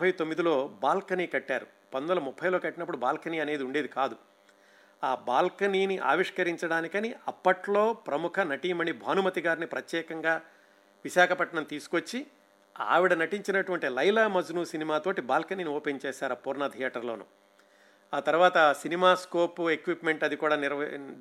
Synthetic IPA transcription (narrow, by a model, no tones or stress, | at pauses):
pʰːɐjt̪omːid̪ilo̞ːbaːlkɐniːkɐʈːaːɾu | pɐnd̪ɐlɐmupʰːɐjlo̞ːkɐʈːinɐpːuɽubaːlkɐniːɐne̞ːd̪iuɳɖe̞ːd̪ikaːd̪u | aːbaːlkɐniːniʔa̰ːʋiʂkɐɾiɲt͡ʃɐɽaːnikɐniʔɐpːɐʈlo̞ːpɾɐmukʰɐnɐʈimɐnibʱaːnumɐt̪iɡaːɾinipɾɐt̪jɛːkɐŋɡaː | ʋiʃaːkʰɐpɐʈɳɐmt̪iːsu̥kot͡ʃːi | a̰ːʋiɽɐnɐʈiɲt͡ʃinɐʈuʋɐɳʈilɐjlaːmɐd͡ʒunusinimaːt̪oːʈibaːlkɐniːnioːpeɲt͡ʃɛːʃaːɾɐpuːɾnɐd̪ʱijaːʈɐɾlo̞ːnṵ | aːt̪ɐɾuʋaːt̪ɐsinimaːskoːpuekʋipme̞ɳʈɐd̪ikuːɽaːniɾ